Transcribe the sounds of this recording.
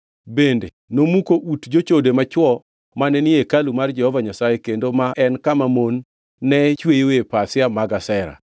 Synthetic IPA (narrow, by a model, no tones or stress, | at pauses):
bendḛnomukoʔutd͡ʒot͡ʃodemat͡ʃwɔ | manɛnɪekalumard͡ʒɛhɔvaɲasajekendomaʔɛnkamamonː | ɛt͡ʃwejowepasɪamaɡasɛɾa̰